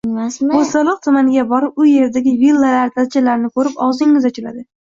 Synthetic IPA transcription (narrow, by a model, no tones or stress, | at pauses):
asot̪alˠɨq̚t̪ʰʊmanɪɡʲabɒɾɪp̚ʊje̞ɾd̪aɡʲɪvilˠːaɾaɾt̪ʰazt͡ʃʰalaɾnɪkʰɵɾɪpɒzɪŋɪzɒt͡ʃʰʲɪla̰d̪ɪ